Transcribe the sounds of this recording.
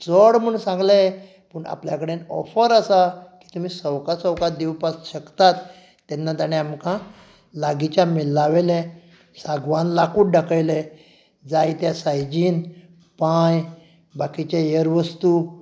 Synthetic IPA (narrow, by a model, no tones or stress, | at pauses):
t͡sɔɽm̤əɳsãŋɡle | pəɳa̰pljakəɽenɔ̰fəɾasaki̥ːt̪um̤iːsəwkasəwkaɾd̪ewpasɕəkt̪at̪ː | ɛnːat̪aɽ̃eamkã | laɡit͡ɕjamilːaʋelɛ | saɡʋanlakuːʈɖakəjle | d͡zajt̪jasajd͡ʑiːn | paj | bakit͡ɕajəɾʋəst̪u